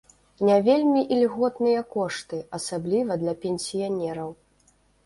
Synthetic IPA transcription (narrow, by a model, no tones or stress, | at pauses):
nʲavʲelʲmʲiʔilʲɣɔt̪nɨjɐkɔʂt̪ɨɐsablʲivɐd̪lʲɐpʲɛnʲsʲijanʲɛɾɐw